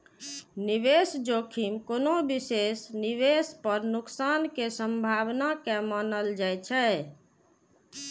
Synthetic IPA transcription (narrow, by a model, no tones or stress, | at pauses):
niʋesd͡ʒokʰimkonobisesniʋespəɾnuksankesəmbʱabnakemənəld͡ʒajt͡ʃʰɛ